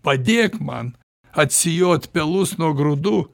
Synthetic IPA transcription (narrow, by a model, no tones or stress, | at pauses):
pɐd̪ʲeːkmɐ̰n | ɐt̪ʲsʲɪjoːt̪pʲɛlˠʊsnuɔɡɾʊd̪uː